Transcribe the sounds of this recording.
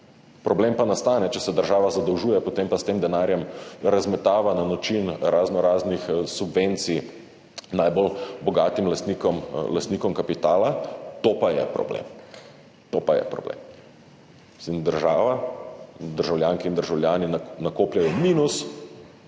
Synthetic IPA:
pɾɔbleːmpanast̪aːnɛt͡ʃɛsɛd̪əɾʒaːʋazad̪əwʒuːjɛpot̪empast̪eːmd̪ɛnaːɾjɛmɾazmɛt̪aːʋananɔt͡ʃinɾaznɔɾaːznixsubʋent̪si | najbɔlbɔɡat̪imlast̪nikɔmlast̪nikɔmkapit̪aːlat̪opajɛ̰pɾɔ̰blḛm | t̪opajɛ̰pɾɔ̰blḛːm | mmisimd̪əɾʒaːʋa | d̪əɾʒawljaːŋkiːnd̪əɾʒawlʲjaːninnakoːpljajɔmiːnus

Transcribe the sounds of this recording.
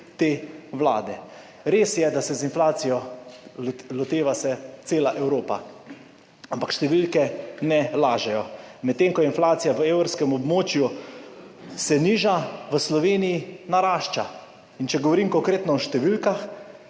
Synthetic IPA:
t̪eːʋla̰ːd̪ɛ | ɾeːsjɛd̪asɛzinflaːt̪sijɔ | lɔt̪eːʋasɛt̪seːlaʔɛwɾoːpa | ampakʃt̪ɛʋilkɛnɛlaːʒɛjɔmɛt̪ːeŋkɔjɛinflaːt̪sijaʋəewɾɾskɛmɔbmoːt͡ʃju | sɛniːʒaʋəslɔʋeːnijinaɾaːʃt͡ʃa | int͡ʃɛɡɔʋɔɾimkɔŋkɾeːt̪nɔɔʃt̪ɛʋilkax

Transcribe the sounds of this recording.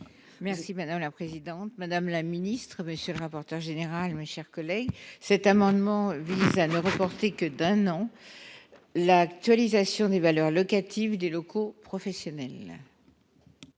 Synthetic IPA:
mɛʁsimad̪amlapχezid̪ɑ̃t̪mad̪amlaminist̪χəməsjøləʁapɔʁt̪œʁʒeneʁalmeʃɛʁkɔlɛɡsɛt̪amɑ̃d̪mɑ̃vizanəʁəpɔʁt̪ekəd̪ɛ̃nɑ̃ | lakt̪ɥalizasjɔ̃d̪evalœʁlɔkat̪ʰivd̪elɔkopχɔfɛsjɔnɛl

